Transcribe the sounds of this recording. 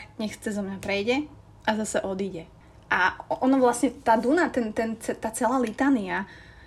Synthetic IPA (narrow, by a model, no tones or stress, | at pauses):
ɲɛxt͡sɛzɔmɲapɾɛjɟɛ | ʔazasɛʔɔd̪iːɟɛ | ʔaɔnɔʋlasɲɛt̪aːd̪unat̪ɛnt̪ɛnt͡sɛt̪aːt͡sɛlaːlit̪aːnia